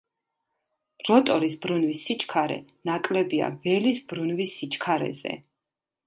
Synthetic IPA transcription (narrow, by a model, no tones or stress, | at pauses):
ɾɔt̪ʼɔɾisbɾunvisit͡ʃʰʼkʰaɾɛ̰nakʼlɛbia̰vɛlisbɾunvisːit͡ʃʰʼkʰaɾɛ̰zɛ̰